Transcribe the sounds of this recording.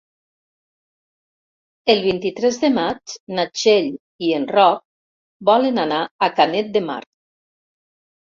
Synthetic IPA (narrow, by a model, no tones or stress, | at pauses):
elˠβ̞int̪it̪ɾɛzðemat͡ʃnat͡ʃeʎ | ienrɔk̚ | bɔlənanaakanet̪̚d̪ema̰ɾ